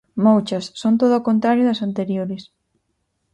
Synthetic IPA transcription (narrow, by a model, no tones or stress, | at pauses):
mowt͡ʃɐssːont̪oðʊakont̪ɾaɾjʊðɐsant̪eɾjoɾɪs